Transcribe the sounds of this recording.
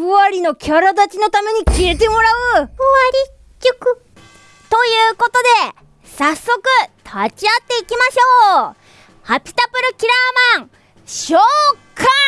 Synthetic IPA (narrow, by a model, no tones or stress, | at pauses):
ɸɯ̟aɾʲino̞kʲaɾad̪at͡ɕino̞t̪ame̞ɲ̟ikʲie̞t̪̬e̞mo̞ɾaɯ̟ɯaɾʲi | kʲːokɯ̟ | t̪o̞jɯ̟ːko̞t̪o̞d̪e̞ | sasːo̞kɯ̟t̪ʰat͡ɕiat̪ːe̞ikʲimaɕo̞ː | hapʲi̥t̪apɯ̟ɾɯ̟kʲiɾamãŋ | ɕoːkʰa